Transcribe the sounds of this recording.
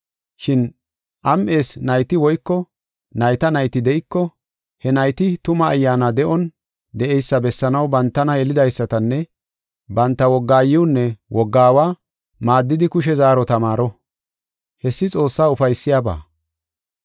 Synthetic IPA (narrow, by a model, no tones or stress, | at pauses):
ʃɪn | ʔɐmʔe̞ːsnɐjt̪ɪwɔjkːɔ | nɐjt̪ɐnɐjt̪ɪd̪ɛʔɪkːɔ | hɛnɐjt̪ɪt̪ʊmɐːjːaːnɐd̪ɛʔɔn | d̪ɛɛjsːɐbɛsːɐnɐwbɐnt̪ːɐnɐjɛlɪd̪ɐjsːɐt̪ɐnːɛ | bɐnt̪ːɐwɔɡːaːjɪʊnːɛwʔɔɡːaːwaː | maːd̪ːɪd̪ɪkʊʃ̬ɛzaːɾɔt̪ɐmaːɾɔ | hɛsːɪt͡sʼo̞ːsːaːʊfɐjsːɪjaːba̰ː